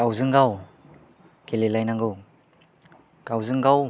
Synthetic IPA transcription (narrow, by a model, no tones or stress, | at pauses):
awzɯŋɡaw | kʰelelajnaŋɡɯ | ɡ̥awzɯŋɡaw